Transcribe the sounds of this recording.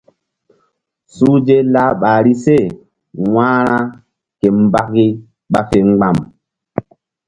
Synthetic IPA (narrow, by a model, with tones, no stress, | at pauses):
suː˦d͡ʒe˦la˦ɓa˨ɾi˦se˦˨ | wã˦ɾa˦ | ke˨m˦ba˦kːi˦ | ɓa̰˦fe˨ŋ͡mɡ͡ba˨m